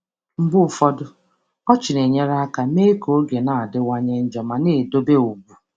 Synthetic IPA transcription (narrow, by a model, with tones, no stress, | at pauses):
m̩˦bʊ˦ʊ˨fɔ˦dʊ˦ | ɔ˦t͡ʃɪ˨ne˨ɲe˦ɾa˦ka˨me˦ko˨˦ɡe˨na˨a˨dɪ˦wa˦ɲe˦n̩˦d͡ʒɔ˨ma˨ne˦˨do˦be˦o˨ɡu˨